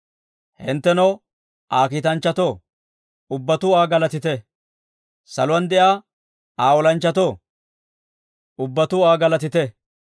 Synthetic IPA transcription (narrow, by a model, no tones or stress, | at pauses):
hɪ̰nt̪ːɛnɔw | ʔaːkiːt̪ɐnt͡ʃːɐt̪oː | ʊbːɐt̪ʊaːɡɐlɐt̪ɪt̪ɛ | sɐ̰lʊwɐnd̪ɛʔaː | aːwɔlɐnt͡ʃːɐt̪oː | ʊbːɐt̪ʊaːɡɐlɐt̪ɪt̪ɛ